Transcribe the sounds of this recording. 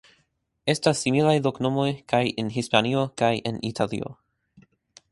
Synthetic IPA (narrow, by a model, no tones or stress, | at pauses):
estasːimilajloknomojkajenɦispaniokajenḭtʰalḭo̰